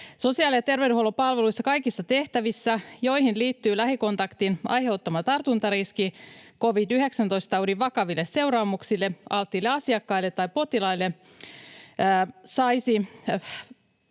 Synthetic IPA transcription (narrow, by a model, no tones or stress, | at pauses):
so̞siɑːlijɑt̪erʋeudyholːopɑlʋeluisːɑkɑikisːɑt̪e̞ht̪æʋisːæjo̞ihinliːt̪ːyːlæhiko̞nt̪ɑkt̪inɑ̰jheut̪ːɑmɑt̪ɑrt̪unt̪ɑɾiskiko̞ʋit̪yheksænt̪o̞ist̪ɑudiʋʋɑkɑʋilːesse̞wɾɑːmuksilːeɑlt̪ːiːlːeɑsiɑkːɑilːet̪ːɑipo̞t̪ilɑilːe | sɑjsi